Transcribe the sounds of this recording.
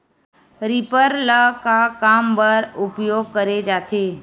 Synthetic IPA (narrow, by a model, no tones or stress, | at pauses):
ɾipəɾləkakambəɾʊpjoɡ̚kəɾed͡ʒaːt̪ʰeː